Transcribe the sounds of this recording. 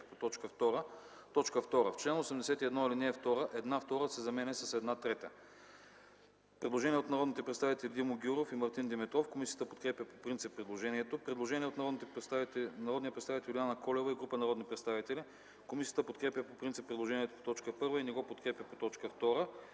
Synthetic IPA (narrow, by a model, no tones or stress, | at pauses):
pot̪ɔt͡ʃkəft̪ɔɾə | t̪ɔt͡ʃkəft̪ɔɾəft͡ʃlɛnosɛmd̪ɛsɛt̪iɛd̪nɔilinɛːft̪ɔɾəʔɛd̪naft̪ɔɾəsɛzɐmɛnɛsɐsɛd̪nat̪ɾɛt̪ə | pɾɛd̪lˠoʒɛniɛot̪nɐɾɔd̪nit̪ɛpɾɛt̪st̪avit̪ɛlid̪imoɡʲuɾofimɐɾt̪ind̪imɛt̪ɾɔfkomisijə̥t̪əpot̪̚kɾɛpʲjəpopɾint̪sipːɾɛd̪lˠoʒɛniɛt̪opɾɛd̪lˠoʒɛniɛot̪nɐɾɔd̪nit̪ɛ | nɐɾɔd̪niəpɾɛt̪st̪avit̪ɛlʲlʲijanəkɔlɛvəiɡɾupənɐɾɔd̪nipɾɛt̪st̪avit̪ɛli | komisiət̪əpot̪kɾɛpʲjəpopɾint̪si̥pːɾɛd̪lˠoʒɛniɛt̪o̥po̥t̪ɔt͡ʃkəpɤɾvəinɛɡɔpot̪kɾɛpʲjɐpot̪ɔt͡ʃkəft̪ɔɾə